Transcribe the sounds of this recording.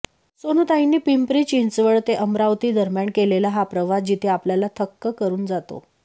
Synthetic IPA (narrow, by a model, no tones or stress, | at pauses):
sonut̪ainːiːpimpɾiːt͡ɕint͡sʋəɭt̪eʔəmɾaʋt̪iːd̪əɾmjaɳkelelaɦapɾəʋad͡ʑit̪ʰeapljalat̪ʰəkːəkəɾuːnd͡zat̪o̰